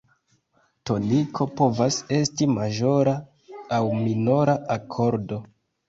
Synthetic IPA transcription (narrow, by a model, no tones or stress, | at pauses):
to̞nikʰo̞po̞vase̞stimaʒo̞ɾa | awmino̞ɾaʔakʰo̞ɾdo̞